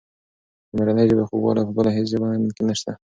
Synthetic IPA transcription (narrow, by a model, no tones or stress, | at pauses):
maɾanəjd͡ʒəbexobwɑ̰lapəbəlaɦes̬ʒawɑnkenaʃt̪a